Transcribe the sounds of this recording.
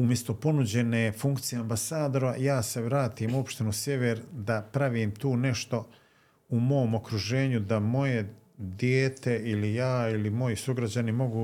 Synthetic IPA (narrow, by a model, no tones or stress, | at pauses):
umje̞st̪o̞po̞nud͡ʑe̞ne̞ːfuŋkt̪sijeambasaːd̪oɾajaːse̞ʋɾaːt̪iːmuo̞pʃt̪enusje̞ʋeɾd̪apɾaʋiːmt̪uːne̞ʃt̪o̞ | umo̞ːmo̞kɾuʒe̞ːɲud̪amo̞je̞ | d̪jeːt̪e̞ilijaːilimo̞jisuɡɾad͡ʑanimo̞ɡuː